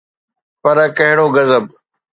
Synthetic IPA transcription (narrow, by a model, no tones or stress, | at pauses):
pɐɾkɐɦɪɽoːɡɐzəb